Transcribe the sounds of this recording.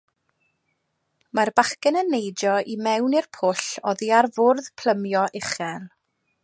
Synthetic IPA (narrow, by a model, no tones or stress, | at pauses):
marbaχkɛnənːejdɔʔimɛwnirpʰʊɬɔðiarvʊrðpʰl̥ˠəmjɔʔɪχɛlˠ